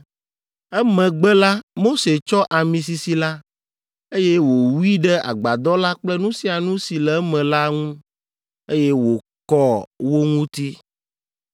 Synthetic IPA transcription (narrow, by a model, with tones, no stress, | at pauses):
ɛ˦mɛ̃˨ɡ͡bɛ˦la˦mo˦se˨t͡ʃɔ˦ʔa˨mĩ˨s̬i˨si˨la˦ | e˦jɛ˦wo˨wi˦ɖɛ˦a̰˨ɡ͡ba˨d̪ɔ˦la˦k͡plɛ˦nũ˦si˦a˨nũ˦si˨lɛ˨˦mɛ̃˨la˦ŋũ˦ | e˦je˦wo˨ | kɔ˦wo˦ŋũ˦t̪i˦